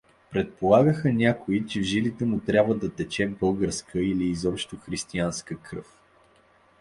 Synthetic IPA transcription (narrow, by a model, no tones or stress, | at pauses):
pɾɛt̪̚polˠaɡəxənʲakoit͡ʃɛvʒilit̪ɛmut̪ɾʲabvəd̪ɐt̪ɛt͡ʃɛbɤlˠɡəɾskʰəiliːzɔpʃt̪oxɾist̪ianskəkɾɤ̰f